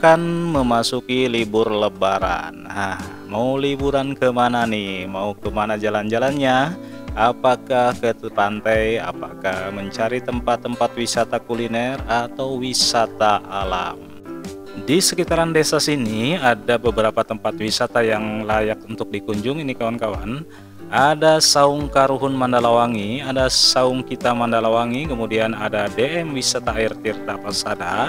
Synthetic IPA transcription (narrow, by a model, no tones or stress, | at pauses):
kanməmasukilibʊrləbaɾa̰nhah | maulibuɾankəmananɪhmaukəmanad͡ʒaland͡ʒalanɲa | apakahkəpant̪aja̰pakahməɲt͡ʃaɾit̪əmpat̪ːəmpat̪wisat̪akulinɛrat̪awwisat̪aʔala̰m | disəkit̪aɾandesasiniadabəbəɾapat̪əmpat̪wisat̪ajaŋlajak̚unt̪ʊk̚dikuɲd͡ʒuŋinikawankawa̰n | adasaʊŋkaɾuɦʊnmandalawaŋiadasaʊŋkit̪amandalawaŋikəmudianadadeʔɛmwisat̪aːirt̪irt̪apasada̰